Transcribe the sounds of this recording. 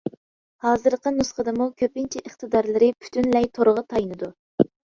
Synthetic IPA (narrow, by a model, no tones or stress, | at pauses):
hɑːzɨɾqənusqəd̪ɨmukʲʰøpɪnt͡ʃʰɛʔəχt̪ɨd̪ɑɾlˠɨɾɪpʰy̥t̪ʰynlɛjt̪ʰoɾəʁɑt̪ʰɑjnɨd̪u